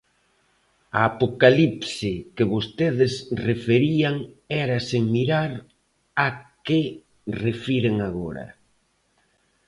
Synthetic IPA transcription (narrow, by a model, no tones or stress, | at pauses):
aːpokalipsɪkɪβost̪eðɪsrefeɾiaŋɛɾaseŋmiɾaɾ | akɪ | refiɾeŋaɣoɾɐ̰